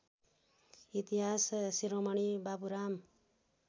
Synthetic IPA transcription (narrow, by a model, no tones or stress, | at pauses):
it̪iɦassiɾomʌɽibapuɾam